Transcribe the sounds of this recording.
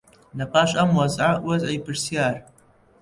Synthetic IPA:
nɐpʰʼaːʃʼʔɐmwazʕawɐzʕajpʰɨrsijaːr

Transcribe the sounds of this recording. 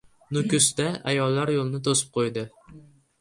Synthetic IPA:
nʊkʲʊst̪aʔa̰jɒlːaɾjolˠnɪt̪ʰosɪ̥p̚qʰojd̪ɪ

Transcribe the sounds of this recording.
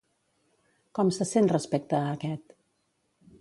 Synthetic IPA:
kɔmsəsent̪rəspek̚t̪əːkɛt̪

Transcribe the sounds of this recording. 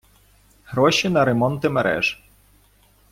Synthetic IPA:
hɾɔʃinɐɾemɔnt̪ɪmḛɾɛ̰ʒ

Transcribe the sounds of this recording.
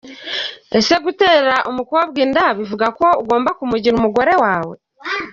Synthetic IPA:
ese̞ɡuteːɾaʔumukuwaβɡiːndaβivuɡako̞uɡo̞ːmbakumuɟiɾumuɡo̞ɾe̞waːwe̞

